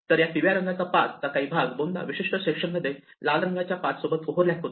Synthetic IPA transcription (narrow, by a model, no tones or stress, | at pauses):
t̪əɾjat̪iʋjaɾəŋɡat͡sapat̪ːakaiːbʱaɡbonːa̰ʋiɕiʂʈəɕekʂənməd̪ʱːe | lalɾəŋɡat͡ɕjapat̪sobət̪oɦoɾljat̪ot̪